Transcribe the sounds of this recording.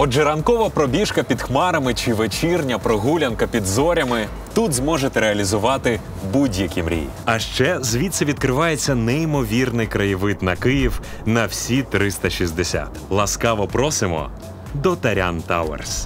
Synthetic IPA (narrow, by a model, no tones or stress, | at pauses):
ɔd͡ʒɛɾɐnkɔʋɐpɾɔbʲiʃkɐpʲid̪xmɑɾɐmɪt͡ʃɪʋet͡ʃirnʲɐpɾɔɦulʲɐnkɐpʲid̪zɔɾʲɐmɪ | t̪ut̪zmɔʒet̪ɛɾeɐlʲizʊʋɑt̪ɪ | budʲjɐkʲimɾʲḭj | ɐʃt͡ʃɛzʋʲit̪sɐʋʲid̪kɾɪʋɑjet͡sʲːɐnɛimɔʋʲirnɪjkɾɐjɪʋɪt̪nɐkɪjiw | nɐwsʲit̪ɾɪst̪ɐʃʲizʲd̪esʲa̰t̪lˠɐskɑʋɔpɾɔsɪmɔ̰ | d̪ɔt̪ɐɾʲa̰nt̪a̰wḛrs